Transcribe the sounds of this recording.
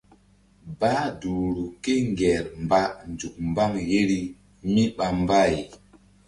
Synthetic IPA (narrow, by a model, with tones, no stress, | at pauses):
ba˦du˨ɾu˨ke˦ŋɡɛ˨ɾmba˦nd͡ʒu˨k̚mba˦ŋɣe˦ɾi˦ | mi˦ɓa˨mba˦˨j